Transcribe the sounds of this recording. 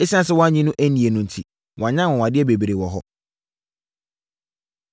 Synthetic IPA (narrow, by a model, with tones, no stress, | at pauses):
e˦si˦ã˦sɪ˦wɔ̃˦a˦ɲĩ˦nʊ̃˦ʔæ˦nĩ˨e˨nʊ̃˦n̩˨tʰi˨ | wɔ̃˨a˨ɲã˦˨wɔ̃˨wa˨dɪ˦ɛ˦be˨bi˨ɾe˨wɔ˨ɦɔ˦